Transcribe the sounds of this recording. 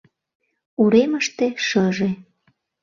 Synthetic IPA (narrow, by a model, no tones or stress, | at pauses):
uɾeməʃt̪eʃɤʒe